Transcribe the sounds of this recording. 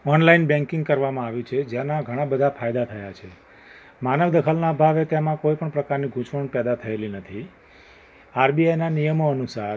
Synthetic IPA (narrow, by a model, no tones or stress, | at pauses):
ɔnlainbɛ̃ŋkɪ̃ŋɡ̚kəɾʋamãaʋjũt͡ʃʰed͡ʒjanaɡʱəɽ̃ãbəd̪ʱafʰajd̪at̪ʰəjat͡ʃʰe | manəʋd̪əkʰəlnabʱaʋet̪jamãkoipəɳpɾəkaɾniɡʱũʃʋəɳpɛd̪at̪ʰəelinət̪ʰi | aɾbiajnanijəmoənusaɾ